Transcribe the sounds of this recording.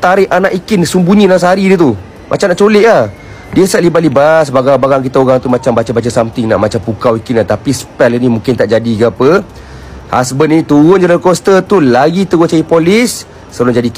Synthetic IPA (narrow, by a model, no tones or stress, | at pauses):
t̪aɾɪanaʔikɪnsumbuɲĩnasəɦaɾidət̪u | mʔa̰t͡ʃamnaʔt͡ʃolɪʔlah | diəsaʔlibatlibasbaɡabaɣaŋk̬it̪aoɣaŋt̪umat͡ʃambat͡ʃəbat͡ʃəsamt̪ɪŋna̰ʔmat͡ʃampukawikɪnlaht̪apispɛlinĩmũŋkɪnt̪aʔd͡ʒadiɡapə | hasbənnit̪uɣʊnd͡ʒalankost̪ət̪ulaɡit̪əɡont͡ʃaipolɪsː | əlʊnd͡ʒadik